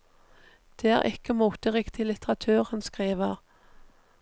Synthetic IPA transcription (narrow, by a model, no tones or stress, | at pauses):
d̪̥eːæ̰ːʁʔɪkəmuːt̪əʁɪkt̪ɪlɪt̪əʁɑt̪ʰʉːʁhɑnskʁiːʋəʁ